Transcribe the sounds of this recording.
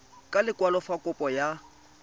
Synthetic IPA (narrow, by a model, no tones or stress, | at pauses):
kʼalɪkʼwalɔfakʼʊpʼɔja